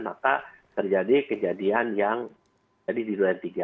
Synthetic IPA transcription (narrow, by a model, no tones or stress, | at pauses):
nmaka | t̪ərd͡ʒadikəd͡ʒadianjaŋ | d͡ʒadididuaant̪iɡa